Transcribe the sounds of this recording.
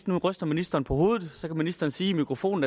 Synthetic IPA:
d̥nuʁœsd̥ɐminisd̥ɐːnpʰɒ̽ho̝ːð̩ˠsɒ̽kʰæminisd̥ɐːnsiːmikʰʁofo̝̰ːn̩æ

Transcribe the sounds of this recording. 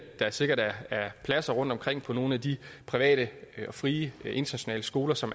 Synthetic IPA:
d̥ɑ̈æɐse̝ɡ̥ɐɾ̥ææɐpʰlæsɐʁɔ̽n̰d̥ɒ̽mkʰʁeŋ̰pʰɒ̽no̝ːn̩ædipʰʁiʋɛ̰ːɾ̥əɒ̽fʁiːəʔe̝nd̥ʰɐnæɕo̝nɛ̰ːləsɡ̥o̝ːlɐsɒ̽m

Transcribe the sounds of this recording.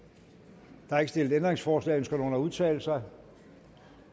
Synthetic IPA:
d̥ɑ̈ɑe̝ɡ̥əsd̥e̝l̰d̥̩ˠend̥ʁeŋsfɒːslɛ̰ɪønsɡ̥ɐnoːnæuð̞ˠt͡sʰɛ̰ːl̩sɑ̈ɪ

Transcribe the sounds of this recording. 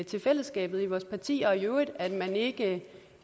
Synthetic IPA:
t͡sʰe̝lfel̰əsɡ̥ɛ̰ːb̥ð̩ˠiʋɒːspʰɑ̈t͡sʰḭːɒːjoɐð̩ˠæd̥mæne̝ɡ̥ə

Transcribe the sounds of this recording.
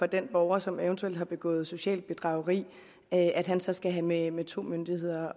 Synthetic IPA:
fɒ̽d̥enb̥ɒʊɐsɒ̽ment͡sʰueld̥hɑ̈b̥e̝ɡ̥ɔ̰̽ːð̩ˠso̝ɕɛ̰ːld̥̚b̥e̝d̥ʁɑ̈ʊɐʁḭː | øʔæd̥ɦænsɒ̽sɡ̥æɦæmemet͡sʰo̝̰ːmønd̥ihe̝ð̞̰ˠɐ

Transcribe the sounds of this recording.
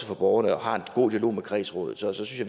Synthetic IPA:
səfɒ̽b̥ɒʊɐnəɒ̽hɑ̈e̝nɡ̥o̝̰ːd̥iɐlo̝̰ːmekʰʁḭːsʁɔ̰ːðð̩ˠsɒ̽sɒ̽synsj

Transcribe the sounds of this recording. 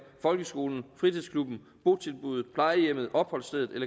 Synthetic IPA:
fɒ̽lɡ̥əsɡ̥o̝ːln̩fʁit͡sʰiðˠskʰlub̥n̩ | b̥o̝̰ːt͡sʰe̝lb̥uð̩ˠpʰlɑ̈ɪəjem̰ð̞̩ˠʔɒ̽b̥hɒ̽l̰sd̥eð̩ˠelɐ

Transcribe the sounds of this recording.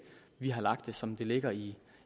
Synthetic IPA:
ʋiɦɑ̈lɑ̈ɡ̥̚d̥e̝sɒ̽md̥e̝le̝ɡ̥ɐi

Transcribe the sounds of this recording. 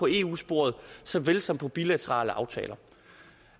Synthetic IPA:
ɒ̽e̝̰ːṵːsb̥o̝̰ɐ̰ð̞ˠsɒ̽ʋelsɒ̽m̰pʰɒ̽b̥ilæt͡sʰəʁɑ̰̈ːləʔɑ̈ʊt͡sʰɛ̰ːlɐ

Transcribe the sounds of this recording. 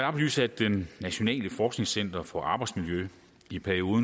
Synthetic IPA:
ɑbly̰sæd̥ːenːæɕo̝nɛ̰ːləfɒːsɡ̥ne̝ŋsen̰d̥ɐfɒ̽ʔɑ̈ːb̥ɑ̈ɪd̥smiljø | ipʰæɐio̝ːðˠ

